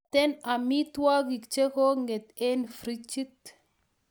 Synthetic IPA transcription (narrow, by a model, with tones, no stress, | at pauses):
t̪ɛ˦na˨mi˦t̪wa˦ɡi˨kt͡ʃe˦ko˦ŋɡe˨t̪e˦nfɾi˦t͡ʃi˦t̪